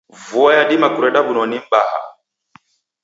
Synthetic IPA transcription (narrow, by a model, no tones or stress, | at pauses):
vuajadimakuɾɛɗabunɔnim̩baha̰